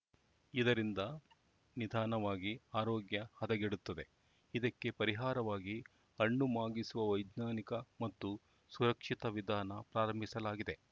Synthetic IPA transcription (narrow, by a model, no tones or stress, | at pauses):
id̪ɐɾind̪ɐ | nid̪ʱaːnɐʋaːɡiaːɾoːɡjɐhɐd̪ɐɡeɽut̪ːɐd̪e̞ | id̪ɐkːe̞pɐɾiɦaːɾɐʋaːɡi | ɐɳːumaːɡisuʋɐʋɐjd̪naːnikɐmɐt̪ːu | suɾɐkʂit̪ɐʋid̪ʱaːnɐpɾaːɾɐmbʱisɐlaːɡid̪e̞